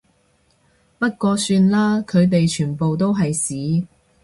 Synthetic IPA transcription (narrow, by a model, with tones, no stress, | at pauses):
pɐ˥t̚kɔː˧syː˧nlaː˥kʰɵ˨˧ɥt̪̬e˨jt͡ʃʰyː˨˩npo˨wt̪̬o˥wɦɐ˨jsiː˨˥